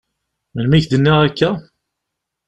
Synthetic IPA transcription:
mænmiçd̪ənːiʁækːæ

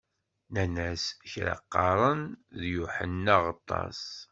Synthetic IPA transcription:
nænæsçɾɑ̰qːɑɾˤənðjuħənːaʁət̪ˤːɑ̰s

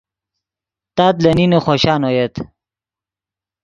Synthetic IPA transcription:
t̪aːt̪lɐninoχoɕaːnojet̪

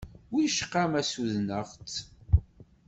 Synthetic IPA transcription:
wiʃə̥qːamæsuðnəʁt͡s

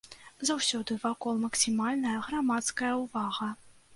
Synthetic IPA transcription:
zawsʲɔd̪ɨvakɔlˠmɐksʲimalʲnɐjɐɣɾamat̪skɐjɐwvaɣɐ

